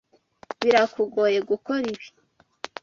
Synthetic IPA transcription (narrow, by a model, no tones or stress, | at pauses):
βiɾakuɡoːje̞ɡukoɾiβi̥